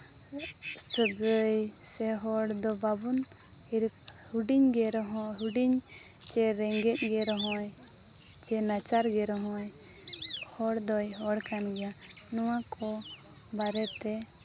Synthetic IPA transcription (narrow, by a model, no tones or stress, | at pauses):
səɡəjsɛɦɔɽd̪ɔbabun | iɾ | huɖiɲɡɛɾɔɦɔɦuɖiɲ | t͡ʃɛɾɛŋɡɛt̪̚ˀɡɛɾɔɦɔ̃j | t͡ʃɛnat͡ʃaɾɡɛɾɔɦɔ̃j | hɔɽd̪ɔjɦɔɽkanɡɛja | nɔwakʰɔ | baɾɛt̪ɛ